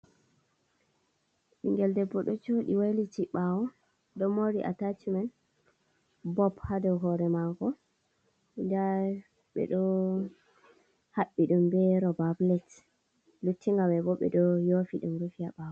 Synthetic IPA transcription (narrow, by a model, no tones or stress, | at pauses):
ʔiŋɡɛldɛbɔɗɔt͡ʃoɗiwajlit͡ʃiɓawɔ | dɔmoɾiʔa̰tatimɛn | bɔphadɔɦɔɾɛmaŋɡɔ | ida | ɓɛ̰ɗɔ | haɓːiɗumbɛɾɔbablɛt | lutʰːiŋɡawɛbɔɓɛ̰ɗɔjofiɗumɾufiaɓawɔ